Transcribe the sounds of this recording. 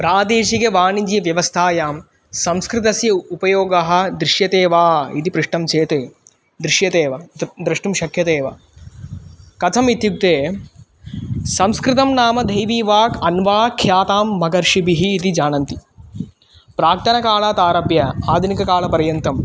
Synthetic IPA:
pɾaːd̪eːʃikeʋaːnid͡ʒ̪jɐʋjɐʋɐst̪ʰaːjaːm | sɐ̃mskɾɪt̪ɐsjɐupɐjoːɡɐɦɐ̆d̪ɾɪʃjɐt̪eːʋaːḭt̪ipɾuʂʈɐmt͡ʃeːt̪eː | d̪ɾɪʃjɐt̪eːʋɐd̪ɾɐʂʈumʃɐkʰːjɐt̪eːʋɐ̰ | kɐt̪ʰɐmit̪juk̚t̪eː | sɐmskɾɪt̪ɐmnaːmɐd̪ʱɐjʋiːʋaːkɐnʋaːkʰːjaːt̪aːmːɐɡɐɾʃibiɦiːt̪id͡ʒaːnɐnt̪i̥ | pɾaːk̚t̪ʰɐnɐkaːɭaːt̪aːɾɐbjɐaːd̪ʱunikɐkaːɭɐpɐɾjɐnt̪ɐm

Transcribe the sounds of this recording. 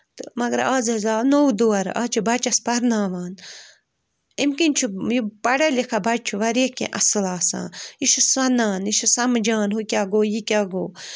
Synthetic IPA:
t̪ɨmɐɡɐɾaːzɐzaːnowd̪oɐɾaːt͡ʃʰubɐt͡ʃɐspɐɾnaːʋaːn | imkinʲt͡ʃʰujipɐɽɐlikʰabɐd͡ʒ̚t͡ʃʰuʋɐɾekḛ̃ʔɐsɨlaːsa̰ːiʃusɐnaːniʃusɐmd͡ʒaːnɦukʲaɡoːjikʲaːɡoː

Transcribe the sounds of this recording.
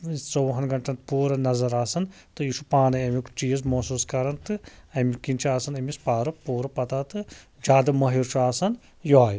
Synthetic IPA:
t͡sowɦɐnɡɐɳʈɐnt̪puːɾɐnɐzɐɾaːsɐn | t̪ɨiʃupaːnɐɐmikt͡ʃiːjzmɐsuːskɐɾɐnt̪ɨɐmikint͡ʃʰaːsɐnɐmispaːɾɨpuːɾɐpɐt̪aːt̪ɨ | d͡ʒaːd̪ɐmɐɦiɾt͡ʃʰaːsɐn | joaːi

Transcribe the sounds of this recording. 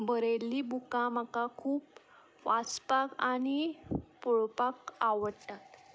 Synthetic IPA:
bʱəɾelːiːbukam̤akakʰuːp | ʋat͡spakañipuɭpakaʋəɽt̪at̪

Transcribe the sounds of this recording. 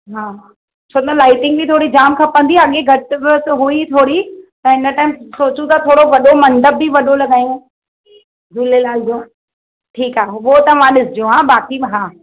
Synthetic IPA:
ɦaː | t͡ɕʰoːɐlaːɪʈɪ̃ŋɡ̚bʱit̪ʰoːɽid͡ʑaːmkʰɐpə̃nd̪iɐɠeɡʱɐʈt̪ɦuit̪ʰoːɽit̪ɐɪnəʈaːɪmsoːt͡ɕũt̪ɐt̪ʰoːɽoʋɐɗomɐ̃ɳɖəb̚ːiʋɐɗolɐɠaːijõ | dʱulelaːld͡ʑõ | ʈʰiːkaːeɦɓot̪ɐmãɗɪsɪd͡ʑijõɦãːbaːkiɦãː

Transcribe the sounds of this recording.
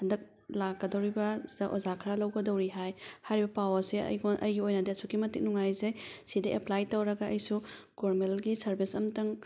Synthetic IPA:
hɐndɐk̚ | lakːɐdɐwɾibɐdɐʔozakʰɾalɐwɡɐdɐwɾiɦajhajɾibɐpawɐɾseɐ̰jɡonʔɐ̰jɡiojnɐdesukimɐtik̚nuŋajzesidɐʔeplajtɐwɾɐɡɐʔɐjsu | koɾmelɡisɐɾbisɐmtɐŋ

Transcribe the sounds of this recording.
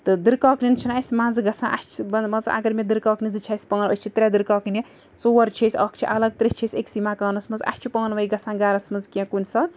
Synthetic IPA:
t̪ɨd̪ɨɾkɔːknint͡ʃʰinasʲmãːnd͡zɨɡɐsãʔa̰st͡ʃʰubɐmɐza̰ɡɐɾmed̪ɨɾkaːknizɨt͡ʃʰasʲpɐnɐsʲt͡ʃʰit̪ɾʲad̪ɨɾkɔːknʲe | t͡sowɐɾt͡ʃʰesʲɐkʰt͡ʃʰiʔɐlɐɡ̚t̪ɾʲit͡ʃʰesʲeksimakɐːnɐsmɐza̰st͡ʃʰupɐŋnʋɐiɡɐsãɡaːɾɐsmɐzkiɐ̃kunʲsɐt̪

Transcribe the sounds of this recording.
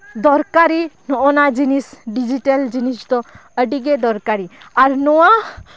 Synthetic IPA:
d̪ɔɾkaɾinɔonad͡ʒinisɖid͡ʒiʈəld͡ʒinist̪ɔəɖiɡed̪ɔɾkaɾiaɾnɔwa

